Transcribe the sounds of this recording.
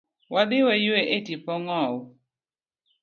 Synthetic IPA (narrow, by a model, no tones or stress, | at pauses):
wad̪ɪwɛjweʔetipɔŋɔw